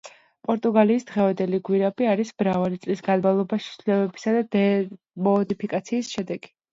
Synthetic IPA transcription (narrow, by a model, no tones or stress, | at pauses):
pʼɔɾt̪ʼuɡaliːsd̪̥ʁɛvand̪ɛliɡwiɾabiaɾisbɾavalit̪sʼlisɡanmalˠɔbaʃi̥sʰlɛbɛbi̥sad̪ad̪ɛ | mɔːd̪ipʰikʼat̪sʰiːsʃɛd̪ɛɡi